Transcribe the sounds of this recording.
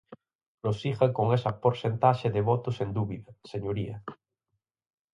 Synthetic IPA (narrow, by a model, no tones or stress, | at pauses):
nosixɐkoŋesɐpoɾsent̪aʃɪðɪβɔt̪ʊsend̪uβiðɐseɲoɾiɐ